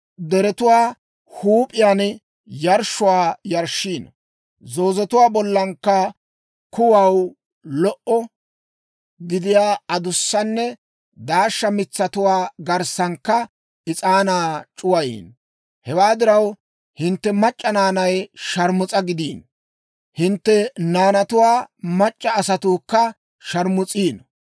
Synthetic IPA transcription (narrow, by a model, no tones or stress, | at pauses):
d̪ɛɾɛt̪ʊwaː | huːpʼɪjaːn | jɐɾʃʊwaːjɐɾʃːiːn | zo̞ːzɛt̪ʊwaːbɔlːɐŋkːɐ | kʊwɐw | lɔʔɔ | ɡɪd̪ɪjaːɐd̪ʊsːɐnːɛ | d̪aːʃːɐmɪt͡sːɐt̪ʊwaːɡɐɾsɐŋkːɐ | ʔɪt͡sʼaːnaːt͡ʃʼʊwɐjḭːn | hɛwaːd̪ɪɾɐw | hɪnt̪ːɛmɐt͡ʃʼːɐnaːnɐjʃɐɾmʊt͡sʼɐɡɪd̪iːn | hɪnt̪ːɛnaːnɐt̪ʊwaːmɐt͡ʃʼːɐːsɐt̪uːkːɐ | ʃɐɾmʊt͡sʼiːn